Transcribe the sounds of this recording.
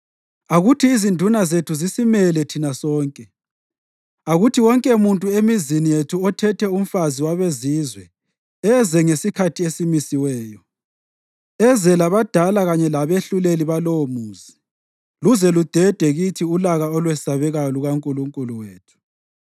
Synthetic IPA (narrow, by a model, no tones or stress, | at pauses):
aɣutʰiːzindʱunazetʰuzisimɛlɛtʰinasɔːŋkʼɛ | aɣutʰiwɔŋkʼɛmuntʼuemizinijetʰuɔtʰɛtʰɛum̩faziwaβeziːzwɛ | ɛzɛŋesikʰatʰiesimisiwɛːjɔ | ɛzɛlaβad̥ʱalaɣaɲɛlaβeɬuleliβaloomuːzi | luzɛlud̥ʱɛd̥ʱɛɣitʰiulaɣaɔlwɛsaβɛɣaluɣaŋkʼuluŋkʼuluweːtʰu̥